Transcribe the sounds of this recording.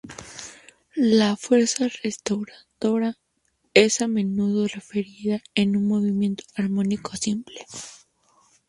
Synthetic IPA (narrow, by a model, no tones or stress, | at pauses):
lafwe̞ɾsarest̪awɾaðo̞ɾa | esamẽ̞nuð̞o̞refeɾiðaenunmo̞βimjẽ̞nt̪o̥aɾmo̞nikʰo̞simple